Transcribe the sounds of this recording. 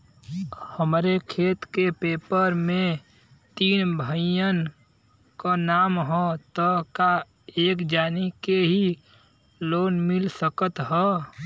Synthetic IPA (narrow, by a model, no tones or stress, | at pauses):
həmɾekʰeːt̪kepeːpəɾmẽ | t̪iːnbʱəɪjən | konaːmɦɔt̪əka | eːkd͡ʒaːnikeɦi | loːnmɪlsəkət̪ɦɛː